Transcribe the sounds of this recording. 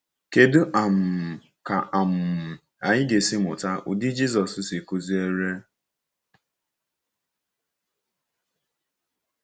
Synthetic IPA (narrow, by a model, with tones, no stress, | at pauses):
ke˦du˦ʔa˨m̩˨ | ka˨a˨m̩˨ | a˨ɲɪ˦ɡe˨sɪ˦mʊ˨ta˦ʔʊ̰˨di˦d͡ʒi˦zɔ˨sʊ˦si˨ko˦zi˦e˦ɾe˦